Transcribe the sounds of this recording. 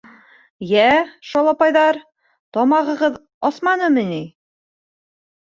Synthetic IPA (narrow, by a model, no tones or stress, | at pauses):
jæʃɑlˠɑpɑjðɑɾ | t̪ɒmɑʁɤ̆ʁɤð | ɒsmɑnɤmɘni